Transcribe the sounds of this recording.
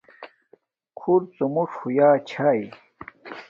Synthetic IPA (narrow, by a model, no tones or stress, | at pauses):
kʰuɾt͡sumuʂhujaːt͡ɕʰaːj